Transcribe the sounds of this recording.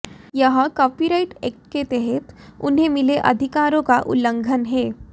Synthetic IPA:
jɐɦkɔːpiɾaɪʈeːk̚ʈket̪ɛɦɛt̪ʊ̰nɦemɪleʔɐ̰d̪ʱɪkaːɾõkaʔʊ̰lːə̃ŋɡʱənɦɛː

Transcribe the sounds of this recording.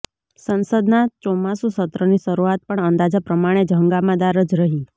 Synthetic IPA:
sənsəd̪nat͡ʃɔmasũsət̪ɾəniʃəɾuat̪̚pəɳənd̪ad͡ʒapɾəmaɽ̃ed͡ʒʱəŋɡamãd̪aɾəd͡ʒɾəɦi

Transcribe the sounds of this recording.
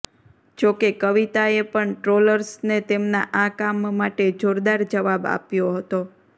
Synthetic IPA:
d͡ʒokekəʋit̪aepəɳʈɾoləɾsnet̪emnaʔakamːaʈed͡ʒoɾd̪aɾd͡ʒəʋaba̰pjoɦət̪o

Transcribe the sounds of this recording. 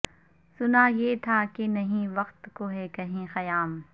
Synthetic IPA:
sʊnajeːt̪ʰakenɐɦĩʋɐqt̪koɦɛkɐɦĩxɐjaːm

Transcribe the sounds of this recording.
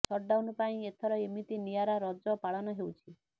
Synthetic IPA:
sɔɾɖawnɔpaĩet̪ʰɔɾɔemit̪inijaɾaɾɔd͡ʒɔpaɭɔnɔɦewt͡ʃʰi

